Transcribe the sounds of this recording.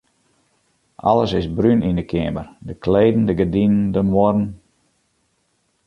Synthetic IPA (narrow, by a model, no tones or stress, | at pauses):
ʔɑ̰ləsɪsbɾynindəkʰɪəmərdəkleːdn̩dəɡədinəndəmʋɔdn̩